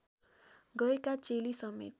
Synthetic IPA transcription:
ɡʌekat͡selisʌmḛt̪

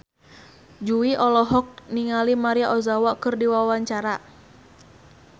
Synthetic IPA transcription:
d͡ʒuiʔɔlɔɦɔk̚niŋalimaɾiaʔɔzawakɨrdiwawaɲt͡ʃaɾa

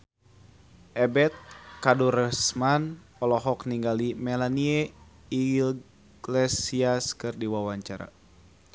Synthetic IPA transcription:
ʔɛbɛt̪̚kaduɾɛsman | ɔlɔɦɔkniŋɡalimɛlanie | i | ɡlesiaskɨrdiwawaɲt͡ʃaɾa̰

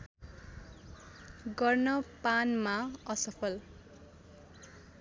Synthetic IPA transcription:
ɡʌrnʌpanmaʌsʌpʰʌl

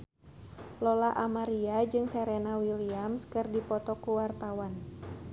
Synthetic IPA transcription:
lɔlaʔamaɾiad͡ʒɨŋsɛɾenawiliamskɨrdipɔt̪ɔkuwart̪awan

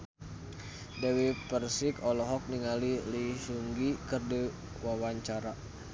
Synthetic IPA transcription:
dɛwipərsikɔlɔɦɔk̚niŋaliliʃuŋɡikɨrdi | wawaɲt͡ʃaɾa

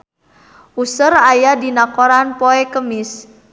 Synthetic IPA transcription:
usərajadinakoɾanpɔɛkəmɪs

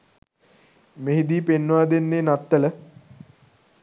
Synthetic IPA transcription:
meɦid̪iːpenːʋaːd̪enːeːnat̪ːələ

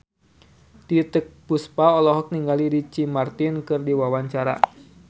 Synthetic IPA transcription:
t̪it̪ək̚puspaɔlɔɦɔk̚niŋɡaliɾit͡ʃimart̪inkɨrdiwawaɲt͡ʃaɾa̰

